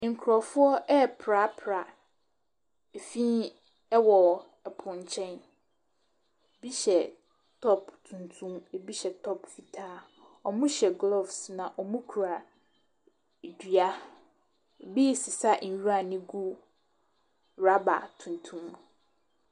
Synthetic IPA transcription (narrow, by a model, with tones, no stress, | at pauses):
ŋ̩˨kʰɾɔ˨fʊ˦ɔ˦ʔɛ˦pʰɾa˦pʰɾa˨ | e˨fĩ˦ | ɛ˦wɔ˨ | ɛ˨pʰʊ̃˨ɲ˨t͡ɕʰɛ̃˦n˨ | bi˦ɕɛ˨ | tʰɔ˦ptʰũ˨ntʰũ˦me˨bi˦ɕɛ˨tʰɔ˦pfi˨tʰaː˦ | ɔ˨mũ˦ɕɛ˨ɡlɔ˦vsnã˨ʔɔ˨mũ˦kʰu˨ɾa˨ | dɥa˦˨ | bi˦sɪ˨sa˦n̩˨ɥu˦a˦˨nɪ̃˦ɡu˦ | ɾa˦ba̰˨tʰũ˨n˨tʰũ˦m